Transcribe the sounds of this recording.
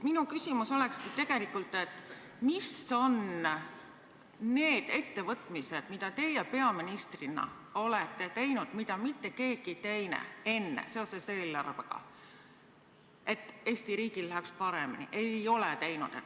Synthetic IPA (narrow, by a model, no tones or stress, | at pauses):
minukysimuso̞le̞kskit̪e̞ɡ̥e̞likult̪ːˑe̞t̪ːˑ | miso̞n | ne̞ːd̪̥e̞t̪ːe̞vɤt̪ˑmise̞d̪̥mid̪̥ɑt̪e̞jepe̞ɑminist̪rinɑ̰o̞let̪ːe̞t̪e̞jnud̪̥mid̪̥ɑmit̪ːe̞ke̞ːɡ̥it̪e̞jnḛe̞nːḛse̞o̞sese̞ːlːɑrveɡ̥ɑ̰ | e̞t̪ːˑe̞ːsʲt̪iɾiːɡ̥illæɦɛkspɑɾeminḭʔe̞jo̞let̪e̞jnṵd̪̥et̪ː